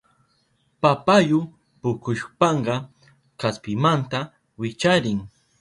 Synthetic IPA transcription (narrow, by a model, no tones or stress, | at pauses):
papajʊ | pʊkʊʃpɑɴɢɑ | kaspɪmant̪a | wɪt͡ʃaɾɪŋ